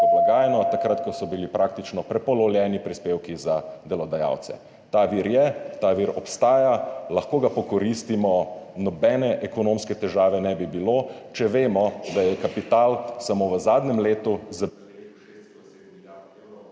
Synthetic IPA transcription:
ɔblaɡaːjɛnɔt̪akɾat̪kɔsɔbilipɾʔakt̪it͡ʃnɔpɾɛpɔlɔljɛːnipɾispeːwkizad̪ɛlɔd̪aja̰ːwt̪sɛ̰ | t̪aʋiːɾjɛt̪aʋiɾɔpst̪aːjalɐxkoːɡapɔkɔɾist̪imɔnɔbɛːnɛʔɛkɔnoːmskɛt̪ɛʒaːʋɛnɛbibilot͡ʃɛʋeːmɔd̪ajɛkapit̪aːlsamoʋəzaːd̪nɛmleːt̪uza

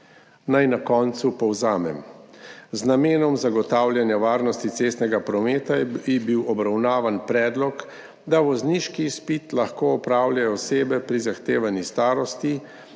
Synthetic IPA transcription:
najnakɔːnt̪supɔwzaːmɛ̰m | znameːnɔmzaɡɔt̪aːwljanjaʋaːɾnɔst̪it̪seːst̪nɛɡapɾɔmeːt̪aibiwɔbɾawnaːʋanpɾɛːd̪lɔk | d̪aʋɔzniʃkispit̪laxkoɔpɾaːwljajɔɔseːbɛpɾizaxt̪eːʋanist̪aːɾɔst̪i

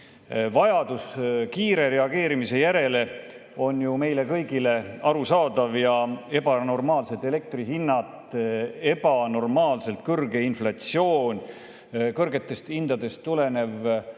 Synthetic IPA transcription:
vɑjɑd̪̥uskiːɾe̞ɾe̞ɑɡe̞ːɾimise̞jæɾe̞le̞ | o̞njume̞jle̞kɤjɡile̞ɑɾusɑːd̪ɑvjɑe̞b̥ɑno̞rmɑːlset̪ːˑe̞le̞k̚t̪riɦinːɑt̪e̞b̥ɑno̞rmɑːlse̞lt̪̚kɤrɡe̞inflɑt̪sio̞ːnʲ | kɤrɡe̞t̪ːˑe̞st̪ind̪̥ɑd̪e̞st̪ːule̞ne̞v

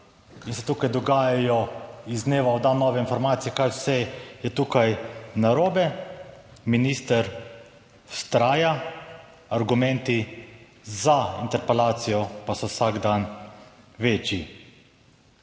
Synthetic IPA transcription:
insɛ̥t̪uːkajd̪ɔɡaːjajɔizneːʋaɔd̪anːɔːʋɛinfɔɾmaːt̪sijɛkajwsɛjɛt̪uːkajnaɾoːbɛ | miniːst̪əɾ | w̥st̪ɾaːja | aɾɡumɛ̃nt̪i | zaint̪ɛɾpɛlaːt̪sijɔpasɔwsaɡd̪an | ʋeːt͡ʃji

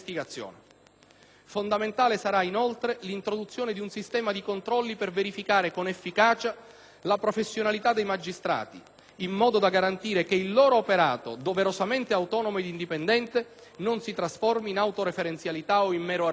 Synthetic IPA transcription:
st̪iɡat̪sːjo̰ːn | fond̪ament̪aːlesaɾainolt̪ɾelint̪ɾod̪ut̪sːjoːned̪iunsist̪ɛːmad̪ikont̪ɾɔlːiperveɾifikaːɾekonefːikaːt͡ʃa | lapɾofesːjonalit̪ad̪ejmad͡ʒːist̪ɾa̰ːt̪ḭ | imːɔːd̪od̪aɡaɾant̪iːɾekeilːoːɾoːpeɾaːt̪o̰d̪oveɾosament̪eawt̪ɔːnomoed̪ind̪ipend̪ɛnt̪e | nonsit̪ɾasfɔrminawt̪oɾefeɾent̪sjalit̪aoimmɛːɾo

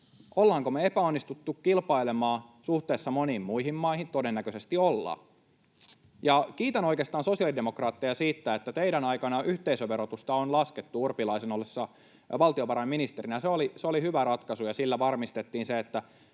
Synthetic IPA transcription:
ʔolːɑːŋkomeepæonːist̪ut̪ːukkilpɑile̞mɑːsuht̪e̞ːsːɑmo̞niːmːuihimmɑihint̪odenːækøse̞st̪iolːɑ̰ː | jɑkiːt̪ænoikeːst̪ɑːnso̞siɑlidemokrɑːt̪ːejɑsiːt̪ːæet̪ːæt̪eidænɑikɑnɑʔyht̪eisøʋe̞ɾot̪ust̪ɑonlɑsket̪ːuurpilɑisenolːesːɑ | ʋɑlt̪io̞ʋɑɾɑiminist̪e̞ɾinæseoliseolihyʋæɾɑt̪kɑsujɑsilːæʋɑrmist̪et̪ːiːnseet̪ːæ

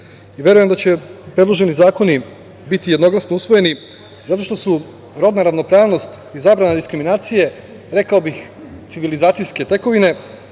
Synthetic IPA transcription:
iʋje̞ɾuje̞md̪at͡ɕepɾe̞d̪lˠo̞ʒe̞nizaːko̞ni | bit̪ije̞d̪no̞ɡlasnousʋo̞je̞ni | zat̪o̞ʃt̪o̞su | ɾo̞d̪naɾaʋno̞pɾaːʋno̞st̪izabɾanad̪iskɾiminaːt̪sije̞ | ɾe̞kaobix | t̪siʋilizaːt̪sijske̞t̪e̞ko̞ʋine̞

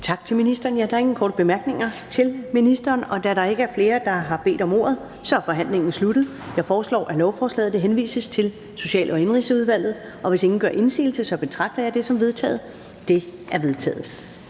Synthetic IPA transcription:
t͡sʰɑ̈ɡ̥̚t͡sʰe̝lminisd̥ɐːnjæd̥ɑ̈e̝ŋn̩kʰɒ̰ːd̥əb̥e̝mæɐɡ̥ne̝ŋɐt͡sʰe̝lminisd̥ɐːnɒ̽d̥æɾɑ̈e̝ɡ̥əæɐfle̝ːɐd̥ɑ̈ɦɑ̈b̥e̝̰ːd̥ɒ̽mo̝̰ːɐ̰ð̞̩ˠ | sɒ̽æɐfɒ̽ɦæn̰le̝ŋn̩slud̥ð̩ˠjɑ̈ɪfɒːslɒ̰ːʔælɒʊfɒːslɛ̰ːð̩ˠd̥eɦenʋḭːsəst͡sʰe̝l | so̝ɕɛ̰ːlʔɒ̽e̝nʁḭːsəuð̞ˠʋæl̰ð̞̩ˠ | ʔɒ̽ʋe̝se̝ŋn̩ɡ̥ɶɐʔe̝nsḭːl̩səsɒ̽b̥e̝t͡sʰʁɑ̈ɡ̥̚d̥ɐjɑ̈ɪd̥e̝sɒ̽mʋe̝ðˠt͡sʰɛ̰ːð̩ˠ | d̥e̝æɐʋe̝ð̞ˠt͡sʰɛ̰ːð̩ˠ

